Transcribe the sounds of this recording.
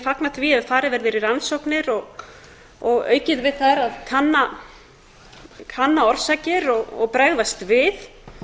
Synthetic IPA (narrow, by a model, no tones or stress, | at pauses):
faknat̪viɛðfaːɾɪvɛɾvɛːɾɪɾansowknɪɾɔɣ | ɔɣœ̰ːɥcɪðvɪðθaɾaðkʰanːa | kʰanːaɔɾ̥saːcɪɾɔɣɔ̰ɣpɾɛɣðast̪vɪð